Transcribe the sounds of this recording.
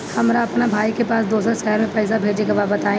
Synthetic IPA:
hɐmɾaɐpnabʱaːikepaːsd̪oːs̬ɾaʃɛɦəɾmẽpɛːɪs̬abʱeːd͡ʒekabaːbət̪aːẽ

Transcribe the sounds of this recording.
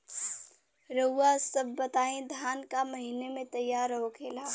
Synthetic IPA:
ɾəʊasəbːɐt̪aːẽd̪ʱaːnkamɐɦinemẽt̪ɐjːaːɾəɦokʰeːlaː

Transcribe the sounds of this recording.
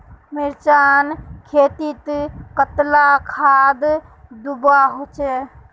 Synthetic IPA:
mɪɾt͡ʃankʰet̪it̪kət̪lakʰad̪d̪ubaɦot͡ʃɛ

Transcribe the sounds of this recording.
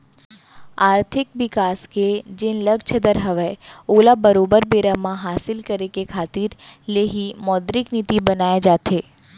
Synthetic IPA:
aːɾt̪ʰɪk̚ʋɪkasked͡ʒɪnləɡt͡ʃʰəd̪əɾɦəʋeolabəɾobəɾbeɾamãɦaːsɪlkəɾekekʰaːt̪iɾleɦimɔːd̪ɾɪknit̪ibənajad͡ʒat̪ʰe

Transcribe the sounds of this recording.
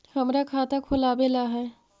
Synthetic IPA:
hɐmɾakʰaːt̪akʰʊlaːbelaɦɛː

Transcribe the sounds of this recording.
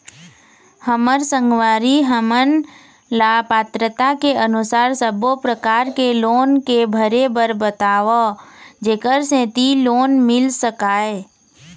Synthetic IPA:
həməɾsə̃ŋɡwaːɾiɦəmən | laːpaːt̪ɾət̪akeʔənʊsaːɾsəbopɾəkaːɾkeloːnkebʱəɾebəɾbət̪aːʋod͡ʒeːkəɾsẽːt̪iloːnmɪlsəkaːe

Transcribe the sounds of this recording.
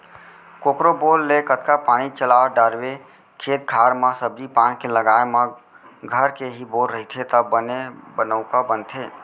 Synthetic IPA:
koːkɾobolːekət̪kapaːɽ̃it͡ʃəlaːɖəɾwe | kʰeːt̪̚kʰaːɾmãsəbd͡ʒipaːnikeləɡaema | ɡʱəɾkeɦiboːlɾəɦit̪ʰet̪əənebənəʊkabənt̪ʰe

